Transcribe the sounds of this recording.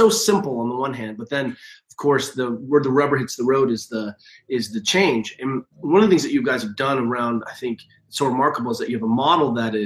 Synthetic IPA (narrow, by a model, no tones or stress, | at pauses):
oʊsɪ̃mpl̩ˠə̃nðəwʌ̃nɦæ̃nd̚bʌt̪̚ðɨ̃nʌv̥kʰɔɹsðɨwə˞ðəɹɛbə˞ɦɪtsðəɹoʊɾɨzðə | ɪzðɨt͡ʃʰẽɪ̃nd͡ʒɨ̃nwʌ̃nʌvðəθɪ̃ŋzðɨt͡ʃɨɡaɪz̥ɨvdʌ̃nə˞ãʊ̃nda̰ɪθɪ̃ŋk | tsoʊɹɨmɑɹkəbl̩ˠəzðɨt͡ʃɨvəmɑɾl̩ˠd̪̚ðɨɾɪ